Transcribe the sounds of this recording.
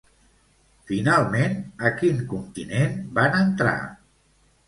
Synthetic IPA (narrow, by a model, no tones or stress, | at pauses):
finalˠmenəkiŋkunt̪inenbanənt̪ɾa̰